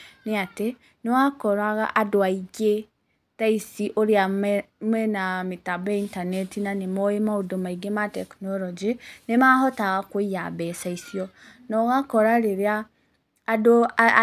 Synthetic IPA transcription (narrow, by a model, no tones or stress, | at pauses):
neate | newakɔɾaɣa̰ʔadoaiɡe | taisiʔoɾeamɛ | mwɛnametabɛintanɛtinanemɔemaodomaiɡematɛknɔɾɔd͡ʒinemahɔtaɣakwoijabɛsaisiɔ | nɔɣakɔɾaɾeɾea | do